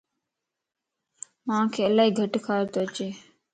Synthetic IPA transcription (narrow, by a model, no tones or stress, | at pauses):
mãːkʰeːəlaːɦiːɡʱəʈkʰaːɾt̪oːət͡ʃeː